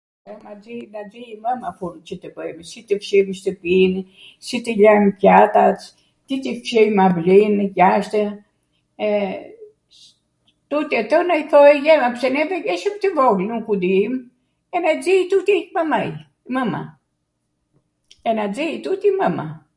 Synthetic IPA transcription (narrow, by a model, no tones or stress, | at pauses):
ɛmad͡zinad͡ziiməmafuɾt͡ʃət̪əbəjmsit̪əfʃimiʃt̪əpin | sit̪əʎajmpjat̪at̪ | t̪it̪ifʃɛjmablinəjaʃt̪ə | ɛ | t̪ut̪iɛt̪ɔnajθɔjjɛmapsɛnɛvɛɡɛʃəmt̪əvɔɣlnukud̪im | ɛnad͡zit̪ut̪imamaj | məma̰ | ɛnad͡ziit̪ut̪iməma̰